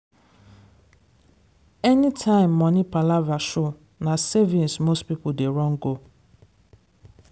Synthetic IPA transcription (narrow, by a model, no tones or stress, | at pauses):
ɛnitʰãɪ̃mːɔ̃nĩpʰalavaʃʊ | nãsevĩnsmostpipodeɹɔ̃ŋɡo